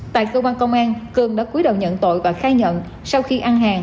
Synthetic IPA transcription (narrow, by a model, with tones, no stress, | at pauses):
t̪a̰ː˧˨jkəː˧kwaː˧nkə˧wŋ͡mʔaː˧nkɨ˨˩əŋɗa̰ː˧˥ku˨˦jɗə̰˧˨wɲə̰˧˨nt̪o̰˧˨jvaː˨˩xaː˧jɲə̰˧˨n | sa˧wxi˧ʔa˧nɦaː˨˩ŋ